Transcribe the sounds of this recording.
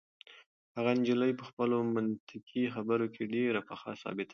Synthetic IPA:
haɣand͡ʒiləjpəxpəlomant̪ɪqixabəɾokʰeɖeɾapaxɑ̰sɑ̰bɪt̪ʰa

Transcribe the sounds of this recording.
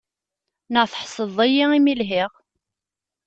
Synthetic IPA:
nəʁθə̥ħsˤəðˤæjiimilɦɪʁ

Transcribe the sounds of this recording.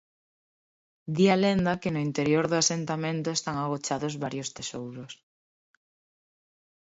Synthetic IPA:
d̪ialend̪ɐkɪnʊint̪eɾjoɾðʊasent̪amẽnt̪ʊest̪aŋaɣ̞ot͡ʃaðʊzβaɾjʊst̪esowɾʊs

